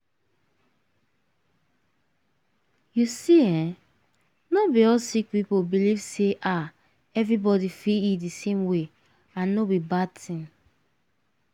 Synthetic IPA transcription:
jusiɛ̃ | nobiɔsik̚pipobilivseʔa | ɛvɹibɔdifiidisẽmwe | ãnːobibad̚tʰĩn

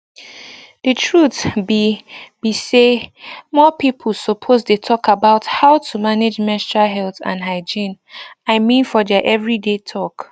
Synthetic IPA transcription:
d̥ɨtʰɹutbb̥isemɔpipʰl̩sopʰozdetʰɔkʰabaʊthaʊtʰumaned͡ʒmɛstɹaɦɛlθã̰nɦaɪd͡ʒĩnaɪmĩnfɔðɛʔɛvɹidetʰɔk

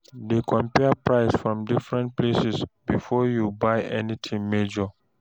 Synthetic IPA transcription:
dekʰɔ̃mpɛpɹaɪsfɹɔ̃mdifɹɛ̃nt̚plesisbifɔjubajɛnit̪ʰĩŋmed͡ʒɔ

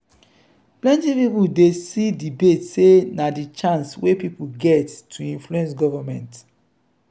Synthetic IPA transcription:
plɛ̃ntĩpipudesidibetsenadit͡ʃãnswepipuɡɛtːʰuĩnfluɛ̃nsɡɔvamɛ̃nt

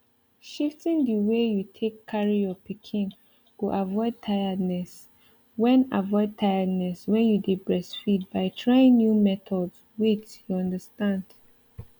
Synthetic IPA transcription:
ʃiftĩndiwejutʰekʰːaɹijɔpikʰĩn | ɡ̥uʔavɔɪd̚tʰaɪədnɛs | wɛ̃na̰vɔɪd̚tʰaɪədnɛswɛ̃njudipɹɛsfid̚baɪtʰɹaɪĩŋnjumɛtʰɔds | wit͡ʃjuɔ̃ndəstãnd̥

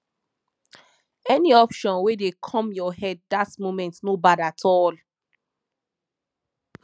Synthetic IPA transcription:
ɛniɔpʃɔ̃nwedekʰɔ̃mjɔhɛd̚ːatmomɛ̃ntnobadatʰɔl

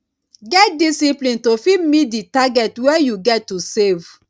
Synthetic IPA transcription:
ɡɛt̚disiplĩntofimitditaɡɛtwɛjuɡɛtːusev

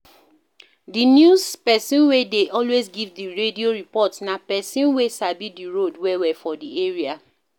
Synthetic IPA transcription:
dinjuspɛsĩnwedeʔɔlwezɡivdiɹedioɹipɔtsnapɛsĩnwesabidiɹodwɛwɛfɔdieɹia

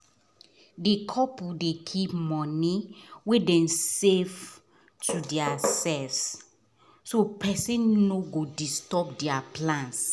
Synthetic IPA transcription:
dikʰɔpudekʰipmɔ̃niwedɛ̃nsev | tʰudiasɛlvs | sopɛsĩnːoɡodistɔp̚diaplãns

